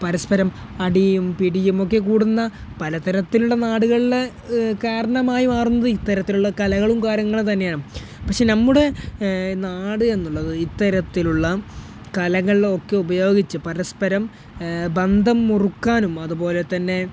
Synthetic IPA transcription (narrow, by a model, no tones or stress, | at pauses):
pɐɾɐspɐɾɐm | ɐɽijumpiɽijumo̞kːe̞k̬uːɽunːɐpɐlɐt̪ɐɾɐt̪ːiluɭːɐnaːɽuɣɐɭil | kaːɾɐɳɐmaːjimaːrunːɐðɨit̪ːɐɾɐt̪ːiluɭːɐkɐlɐɣɐɭumkaːɾjɐŋːɐɭt̪ɐnːejaːɳu | pɐkʂenɐmːuɽe̞naːɽɨe̞nːuɭːɐðɨit̪ːɐɾɐt̪ːiluɭːɐ | kɐlɐŋːɐɭo̞kːe̞ubɐjo̞ːɡit͡ɕːɨpɐɾɐspɐɾɐm | bɐnd̪ʱɐmːurukːaːnumɐðupo̞ːle̞t̪ɐnːe̞